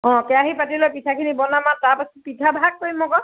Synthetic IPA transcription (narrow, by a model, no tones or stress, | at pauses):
ɔ̃kɛaɦipatilɔpitʰakʰinibɔnamataɹpasɔpitʰabʱak̚poimɔkɔ